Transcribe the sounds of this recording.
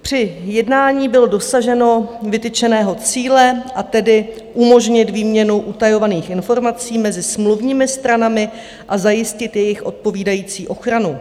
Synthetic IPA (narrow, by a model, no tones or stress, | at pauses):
pr̝̥ɪjɛdnaːɲiːbɪlodo̞saʒɛno̞vɪt̪ɪt͡ʃɛnɛːɦo̞t͡siːlɛʔat̪ɛdɪ | ʔumo̞ʒɲɪt̪viːmɲɛnuʔut̪ajo̞vaniːxʔɪnfo̞ɾmat͡siːmɛzɪsmluvɲiːmɪst̪ɾanamɪ | ʔazajɪscɪt̪jɛjɪxʔo̞̰t̪̚po̞viːdajiːt͡siːʔo̞xɾanu